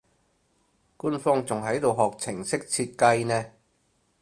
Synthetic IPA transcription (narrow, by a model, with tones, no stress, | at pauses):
kuː˥nfɔː˥ŋt͡sʊ˨ŋɦɐ˨˥jt̪o˨wɦɔː˨˩k̚t͡sʰɪ˨˩ŋsɪ˥k̚t͡sʰiː˧t̚kɐ˧jnɛː˥